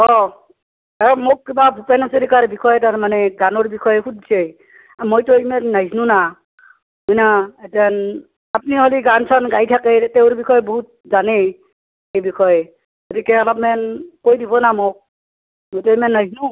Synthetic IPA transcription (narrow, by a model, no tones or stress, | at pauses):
ɔ | amok̚ːibabʱupanaseɾikaɹbikʰɔjɛtaɹmanɛɡanɔɹbikʰɔjxudse | mojtojmɛnːaznuna | mɔjnaetan | ap̚niɦoliɡansʰanɡajtʰakɛtɛwʊ̃ɹbikʰɔjboɦut̚zanɛ | ejbikʰɔj | ɡotikɛɔlɔp̚mɛnkojdibɔnamok̚ | mojtojmɛnːaznu